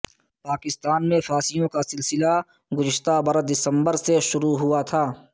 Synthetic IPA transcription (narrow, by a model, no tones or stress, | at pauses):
paːkɪst̪aːnmẽfaːsɪjõkasɪlsɪla | ɡʊzɪʃt̪abɐɾəd̪ɪsə̃mbəɾseʃʊɾuɦʊat̪ʰaː